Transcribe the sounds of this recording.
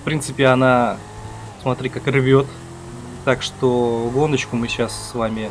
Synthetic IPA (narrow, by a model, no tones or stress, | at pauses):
fpɾʲint̪sɨpʲɪɐna | smɐt̪ɾʲikakrʲvʲot̪ | t̪akʂt̪oɡo̞nət͡ɕkʊmɨɕasːvamʲɪ